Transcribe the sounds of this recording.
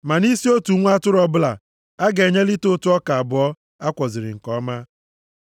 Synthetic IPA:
ma˨ni˦si˦o˦tu˨˦ŋʷ˦a˦tʊ˦ɾɔ˦bʊ˦la̰˨ | a˦ɡe˨ɲe˦lɪ˦to˦tu˨˦ɔ˦ka˨a˨bʊ˨ɔ˦ | a˦kʷɔ˨zɪ˨ɾɪ̰˨ŋ̩˨kɔ˦ma˦

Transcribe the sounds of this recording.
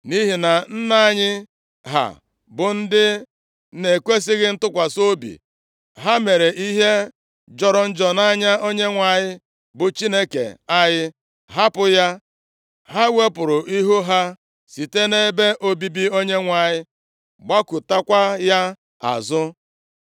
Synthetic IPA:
ni˦ɦi˨na˨n̩˦na˦a˦ɲɪ˦ | ɦa̰˨ | bʊ˨n̩˦dɪ˦ | ne˨kʷe˦s̬ɪ˦ɣɪ˦n̩˦tʊ˦kʷa˨so˦bḭ˨ | ɦa˦me˨ɾe˨ʔi˦ɦe˦ | d͡ʒɔ˦ɾɔ˨n̩˦d͡ʒɔ˨na˦ɲa˦o˦ɲe˦ŋʷa˨ɲɪ˦ | bʊ˨t͡ʃi˦ne˦kḛ˨a˦jɪ˦ | ɦa˦pʊ˨ja˦ | ɦa˦we˦pʊ˨ɾʊ˨ʔi˦ɦu˦ɦa˦ | si˨te˦ne˦be˦ʔo˦bi˦bi˦o˦ɲe˦ŋʷa˨ɲɪ˦ | ɡ͡ba˦ku˨ta˦kʷa˦ja˦ | a̰˨zʊ˦

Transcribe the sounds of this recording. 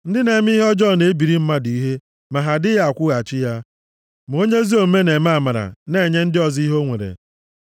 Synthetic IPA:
n̩˦dɪ˦ne˨˦m˦i˦ɦɔ˦d͡ʒɔ˦˨ne˨e˦bi˨ɾi˦m̩˦ma˦di˨i˦ɦe˦ | ma˨ɦa˨dɪ˦ja˦˨kʷʊ˦ɣa˨t͡ʃɪ˦ja˦ | m˨o˦ɲe˦zi˦o˨˦me˦ne˨m˦a˦˨ma˨ɾa̰˨ne˦˨ɲe˦n̩˦dɪ˦ɔ˨zi˦ɦo˦ŋʷe˨ɾḛ˨

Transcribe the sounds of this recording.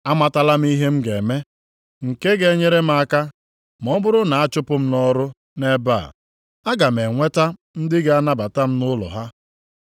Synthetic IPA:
a˦ma˨ta˦la˦m̩˦i˦ɦe˦m̩˦ɡe˨me˦ | ŋ̩˨ke˦ɡe˦ɲe˦ɾe˦m̩˦a˦ka˦ | m˨ɔ˦bʊ˦ɾʊ˦na˨a˦t͡ʃʊ˦pʊ˦m̩˦nɔ˦ɾʊ˦ | ne˦ba̰˦˨ | a˦ɡa˨m̩e˨ŋʷe˦ta˦ | n̩˦dɪ˦ɡe˨a˦na˦ba˨ta˦m̩˦nʊ˦lɔ̰˨ɦa˦

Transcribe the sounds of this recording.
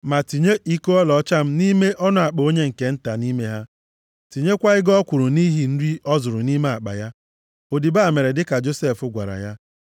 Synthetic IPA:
ma˨ti˨ɲe˦ʔi˦ko˦ɔ˦lɔ˨˦t͡ʃa˦m̩˦ni˦me˦ʔɔ˦nʊ˦˨a˨k͡po˨o˦ɲe˦ŋ̩˨ke˨n̩˦ta˨ni˦me˦ɦa˦ | ti˨ɲe˦kʷa˦ɪ˦ɡɔ˦kʷʊ˨ɾʊ˨ni˦ɦi˨n̩˦ɾi˦ʔɔ˦zʊ˨ɾʊ˨ni˦me˦a˨k͡pa̰˨ja˦ | o˨di˨ba˦˨me˨ɾe˨dɪ˦ka˨d͡ʒo˦se˦˨fʊ˦ɡʷa̰˨ɾa̰˨ja˦

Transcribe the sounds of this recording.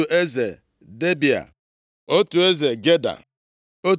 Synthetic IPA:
u˨ʔe˦ze˨ | de˦bi˨a̰˨ | o˦tu˨e˦ze˨ɡe˦da̰˨ | o˦

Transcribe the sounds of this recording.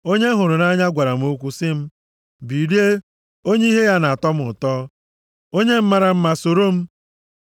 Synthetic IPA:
o˦ɲe˦ɦʊ˨ɾʊ˨na˦ɲa˦ɡʷa˨ɾa˨m̩˦o˦kʷu˦sɪ˦m̩˦ | bi˨ɾi˦e˦ | o˦ɲe˦i˦ɦe˦ja˦na˨a˨tɔ˦m̩˦ʊ˨tɔː˦ | o˦ɲe˦m̩˦ma˦ɾa˨m̩˦ma˨so˨ɾo˦m̩˦

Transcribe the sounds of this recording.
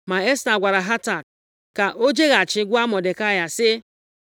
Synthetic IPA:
ma˨e˦sta˨ɡʷa˨ɾa˨ɦa˦ta˨k̚ | ka˨ʔo˦d͡ʒe˦ɣa˨t͡ʃɪ˦ɡʷʊ˦a˦mɔ˨de˨ka˦ja˨sɪ˦

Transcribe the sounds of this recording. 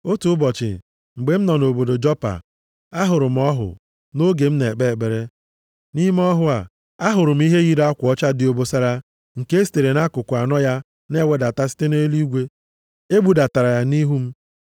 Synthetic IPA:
o˦tu˦ʊ˦bɔ˨t͡ʃɪ̰˨ | ŋ͡m̩˨ɡ͡be˨m̩˦nɔ˨no˨bo˨do˨d͡ʒɔ˦pa̰˨ | a˦ɦʊ˨ɾʊ˨m̩˦ɔ˦ɦʊ̰˨ | no˦ɡe˨m̩˦ne˨k͡pe˦˨ɡ͡be˨ɾe˦ | ni˦m˦ɔ˦ɦʊ˦a˨ | a˦ɦʊ˨ɾʊ˨m̩˦i˦ɦe˦ɣi˦ɾa˦kʷɔ˦t͡ʃa˦dɪ˨o˨bo˦sa˦ɾa˦ | ŋ̩˨ke˦ste˨ɾe˨na˦kʊ˨kʊ˨a˨nɔ˦ja˦ | ne˦we˦da˨ta˦si̥˦te˦ne˦li˦ɡʷe˦ | e˦ɡ͡bu˨˦da˨ta˨ɾa˨ja˦ni˦ɦu˦m̩˦

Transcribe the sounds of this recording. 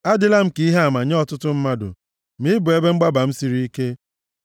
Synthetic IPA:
a˦dɪ˦la˦m̩˦ki˦i˦ɦe˦a˨ma˨ɲe˦ɔ˦tʊ˦tʊ˦m̩˦ma˦dʊ̰˨ | mi˦bʊ˨e˦be˦ŋ͡m̩˦ɡ͡ba˦ba˨m̩˦si˨ɾi˦i˦ke˦

